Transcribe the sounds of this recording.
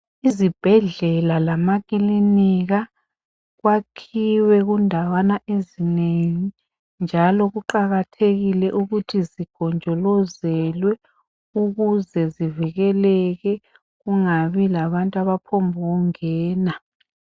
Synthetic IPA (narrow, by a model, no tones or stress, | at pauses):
izib̥ʱɛɮɛlalamakʼiliniɣa | ɣwakʰiwɛɣundʱawanaʔezineŋi | nd͡ʒʱalɔɣuǃaɣatʰeɣilɛʔuɣutʰiziɡ̥ʱɔnd͡ʒʱɔlɔzɛlwɛ | uɣuzɛziviɣɛlɛɣɛ | ɣuŋaβilaβantʼaβapʰɔmbʱɔɣuŋɛːna